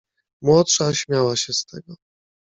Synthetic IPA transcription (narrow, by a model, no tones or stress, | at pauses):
mwɔtʂaɕmʲjawaɕɛst̪ʰɛɡɔ